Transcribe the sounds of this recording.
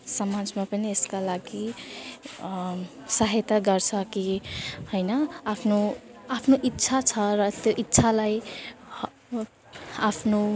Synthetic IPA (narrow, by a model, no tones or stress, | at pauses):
sʌmad͡zmapʌnieskalaɡi | saɦet̪aɡʌɾt͡sʰʌkihojnʌapʰno | apʰnoʔitːsʰat͡sʰʌɾʌt̪joʔitːsʰalaj | apʰno